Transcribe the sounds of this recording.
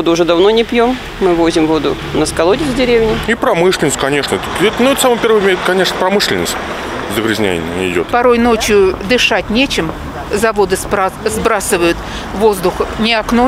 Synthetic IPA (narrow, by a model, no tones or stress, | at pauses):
od̪ʊːʐɛd̪ɐvnonʲɪpjom | mɨvo̞zʲɪmvo̞d̪ʊ | nəskɐlˠodʲɪzʲdʲɪɾʲevʲnʲɪipɾɐmɨʂlʲɪnəsʲt̪̚ʲkɐnʲe̞ʂnəɛt̪ɛt̪nʊɛt̪samɨpʲervəmʲeɛt̪kɐnʲe̞ʂnəpɾɐmɨʂlʲɪnə̰sʲtʲ | zəɡɾʲɪzʲnʲæ̰jɪ̰nʲnʲɪɪdʲo̞t̪pɐɾo̞jno̞t͡ɕjʊd̪ɨʂatʲnʲet͡ɕɪm | zɐvo̞d̪ɨzbɾasɨvəjʊt̪ | vo̞zd̪ʊxnʲɪɐkno